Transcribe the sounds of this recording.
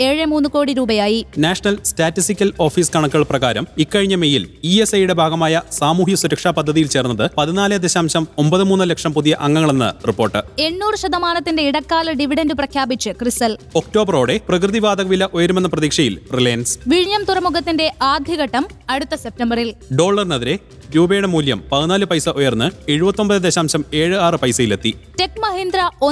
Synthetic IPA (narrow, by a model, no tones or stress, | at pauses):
eːɻɨmuːnːuko̞ːɽiɾuːbɐjaːjinaːʂɐnɐlstaːtːisikʲːɐlo̞ːfiːskɐɳɐkːɐɭprɐɣaːɾɐmikːɐɻiɲːɐmejiliesɐjuɽe̞bʱaːɡɐmaːjɐsaːmuːɦjɐsuɾɐkʂaːpɐd̪ʱːɐðijilt͡ɕe̞ːrunːɐðɨpɐðinaːlɨd̪eɕaːmɕɐmo̞mbɐðɨmuːnːɨlɐkʂɐmpuðijɐʔɐŋːɐŋːɐɭenːɐ̰ripːo̞ːrʈːɨe̞ɳːuːrɨɕɐd̪ɐmaːnɐt̪ːinde̞iɽɐkːaːlɐɖiʋiɽɐndɨprɐkʰjaːbit͡ɕt͡ɕːɨkrisɐl | okto̞ːbɐro̞ːɽe̞prɐkrɨðiʋaːd̪ɐɣɐʋilɐʔojɐɾumenːɐprɐðiːkʂɐjilrileːnsʋiɻɲjɐmt̪urɐmuɣɐt̪ːinde̞ʔaːd̪ʱiɣɐʈːɐmɐɽut̪ːɐsep̚tɐmbɐrilɖo̞ːɭːɐrnɐðiɾe | ɾuːbe̞ːɳɐmuːljɐmpɐðinaːlɨpɐjsɐʔojɐrnːɨe̞ɻubɐt̪ːo̞mbɐðɨd̪eɕaːmɕɐme̞ːɻɨaːrɨpɐjsɐjilet̪ːite̞kːmɐɦind̪ɾɐo